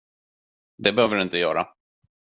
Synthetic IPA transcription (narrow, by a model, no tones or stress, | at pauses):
d̪ɛbɛhøːvəɖɵɪnt̪əjœ̰ːɾa̰